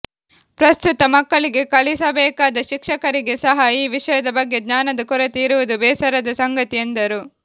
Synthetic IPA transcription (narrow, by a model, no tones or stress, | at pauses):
pɾɐst̪ut̪ɐmɐkːɐɭiɡe̞kɐlisɐbɛːkaːd̪ɐʃikʂɐkɐɾiɡesɐɦɐiːʋiʂɐjɐd̪ɐbɐɡːjeɡ̪ɲaːnɐd̪ɐkɔɾɐt̪iːɾuʋud̪ubɛːsɐɾɐd̪ɐsɐŋɡɐt̪ijend̪ɐɾu